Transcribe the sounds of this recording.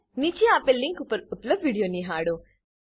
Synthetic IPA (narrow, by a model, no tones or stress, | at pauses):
nit͡ʃiapelːiŋkupɐɾut̪lɐʋʋiːɽijoːniɦaːɽu